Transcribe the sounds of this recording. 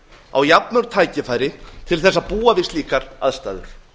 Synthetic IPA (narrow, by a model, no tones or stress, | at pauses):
a̰wjapnʏɾ̥t̪ʰaːjcɪfaːjɾɪt̪ʰɪlθɛsːaðpuːavɪst̪liːkaɾa̰ðst̪a̰ːðʏ̰ɾ̥